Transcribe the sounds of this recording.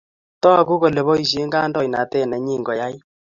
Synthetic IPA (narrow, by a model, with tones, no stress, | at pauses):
tɔ˦a˨ku˦ko˨le˨βɔ˦i˨s̬e˦ŋɡa˦ndɔ˦i˨na˨tɛ˦˨nɛ˨ɲiː˦˨ŋɡɔ˨ja˦i˦